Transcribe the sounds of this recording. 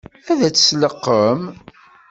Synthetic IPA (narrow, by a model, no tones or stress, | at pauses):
æðæt͡sːə̥sləqːəm